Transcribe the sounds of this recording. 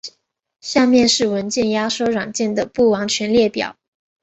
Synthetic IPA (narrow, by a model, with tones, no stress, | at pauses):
ɕja˥˧mjɛ˥˧nʂɻ̩˥˩wə˧˥nt͡ɕjɛ˥˧nja˥ʂo˥ɻwa˨˩ŋt͡ɕjɛ˥˩nd̪ə˩pu˥˩wɑ˧˥ŋt͡ɕʰɥɛ˧˥nljɛ˥˩pjɑ̰˨˩˦